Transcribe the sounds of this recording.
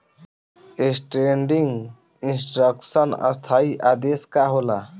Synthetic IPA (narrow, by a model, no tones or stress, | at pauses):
esʈɾeɳɖiŋɡ | insʈɾəksənə̰st̪ʰaiʔad̪eskaɦola